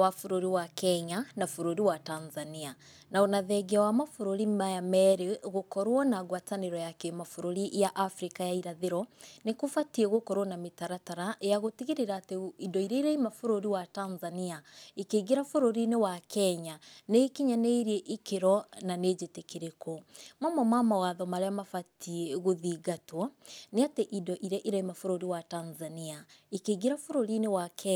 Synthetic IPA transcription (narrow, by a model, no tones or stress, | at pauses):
wafoɾoɾiwakɛɲanafoɾoɾiwatanzania | naonaðɛɡiawamafoɾoɾimajamɛɾeɣokɔɾwɔnaɣwataneɾɔjakemafoɾoɾiʔjaʔafɾikajaiɾaðeɾɔnekofatiɛɣokɔɾwɔnametaɾataɾajaɣotiɣeɾeɾaːteidɔiɾeɾɛimafoɾoɾiwatanzaniaekeɣeɾafoɾoɾinewakʰɛɲanekiɲaneiɾieʔikeɾɔnaned͡ʑetekeɾekʰomamɔmamawaðɔmaɾeamafatʰieɣoðiɡatwɔneateʔidɔʔiɾɛʔiɾaimafoɾoɾiwatanzaniaekeɡeɾafoɾoɾinewakɛ